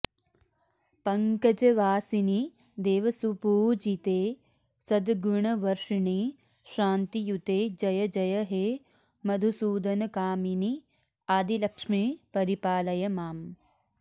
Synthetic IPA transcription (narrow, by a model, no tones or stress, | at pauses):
pɐŋkɐd͡ʒɐʋaːsini | d̪eːʋɐsupuːd͡ʒit̪eː | sɐd̪ɡuɳɐʋɐɾʂɐɳi | ʃaːnt̪ijut̪eːd͡ʒɐjɐd͡ʒɐjɐɦeː | mɐd̪ʱusuːd̪ɐnɐkaːmini | aːd̪ʱilɐkʂmiːpɐɾipaːlɐjɐmaːm